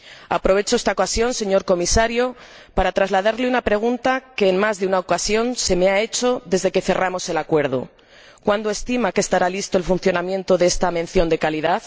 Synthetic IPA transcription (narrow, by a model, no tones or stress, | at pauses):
a̰pɾo̞β̞e̞t͡ʃoest̪aokasjo̞nse̞ɲo̞ɾko̞misaɾjo | paɾat̪ɾazlaðaɾleunapɾe̞ɣ̞unt̪ake̞ːnmazðeunaokasjo̞nse̞me̞ae̞t͡ʃo̞ðe̞zðe̞ke̞θe̞rʔamo̞se̞lakwe̞ɾð̞o̰ | kwand̪oe̞st̪imakest̪aɾalist̪o̞elfunθjo̞namjent̪o̞ðeest̪ame̞n̟θjo̞nd̪e̞kaliðað